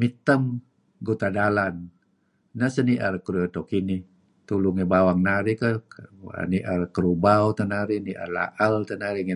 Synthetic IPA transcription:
mit̪əm | ɡut̪adalanː | əsəniʔaɾkəɾuət̪ɔkini | t̪uluŋebawaŋnaɾikəa̰niʔarkəɾubaut̪ənaɾiniʔa̰rla̰ʔəlt̪ənaɾiŋe

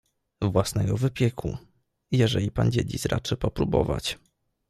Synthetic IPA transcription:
vwasnɛjɔvɘpʲjɛkʰṵ | jɛʐɛlʲipand͡ʑed͡ʑisɾʔa̰t͡ʂɘpɔpɾubɔ̰va̰t͡ɕ

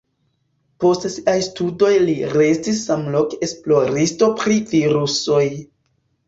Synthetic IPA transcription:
po̞stsiʔajstudo̞jliɾe̞stisːamlo̞ke̞splo̞ɾisto̞pɾiviɾuso̞j

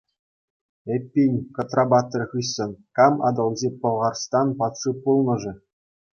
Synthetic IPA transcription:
epʲːinʲkŏt̪rɑbɑt̪̆ːrʲχɯjsɤ̆nkɑmɑ̰d̪ɤ̆lˠd͡ʑepɤ̆lˠʁɑrst̪ɑnpɑt̪ʂɯpulˠnɤ̆ʐɘ̆

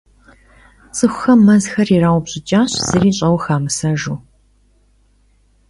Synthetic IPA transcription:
t͡sʼɨxʷʊxɐmːɐzxɐriraːwʷbɕʼɪt͡ʃʼaːɕz̥ɨriːɕʼɐwxaːmɨsɐʒuː

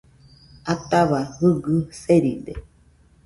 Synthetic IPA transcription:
at̪aβahɨɡɨseɾid̪e

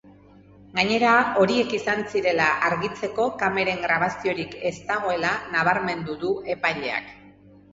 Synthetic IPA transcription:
ɡaɲe̞ɾao̞ɾie̞kisansiɾe̞laʔaɾɣit͡se̞ko̞kame̞ɾe̞ŋɡɾaβasio̞ɾike̞st̪aɣo̞e̞lanaβ̞aɾme̞nd̪uðue̞pajʎe̞a̰k

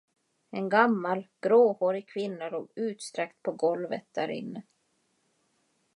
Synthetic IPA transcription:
ɛnɡamːalɡ̥ɾoːhoːɾɪkʰvɪnːaɾɔʉ̟ːt̪st̪ɾɛkt̪̚pʰɔɡɔlvə̰t̪̚d̪æɾɪ̰nːə

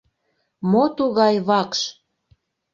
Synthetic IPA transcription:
mot̪uɣɑjβɑkʃ

